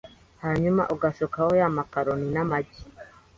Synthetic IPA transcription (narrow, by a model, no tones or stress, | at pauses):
haɲuma̰ʔuɡasokahojamakaɾoninamaɟi